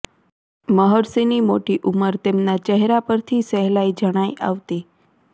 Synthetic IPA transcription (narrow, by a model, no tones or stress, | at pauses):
məɦɔɾsinimoʈiʔuməɾt̪emnat͡ʃɛɦɾapəɾt̪ʰisɛɦlaid͡ʒəɽ̃ajʔa̰ʋt̪i